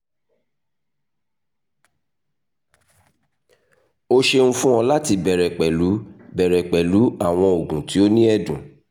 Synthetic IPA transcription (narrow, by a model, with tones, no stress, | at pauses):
o˦ʃe˧ñ̩˦fũ˦ɔ̃˧la˦ti˧bɛ˨ɾɛ˨k͡pɛ˨lu˨˦bɛ˨ɾɛ˨k͡pɛ˨lu˨˦a˦˨w̃ɔ̃˧o˨ɡũ˨ti˨˦o˦nĩ˦ɛ˦dũ˨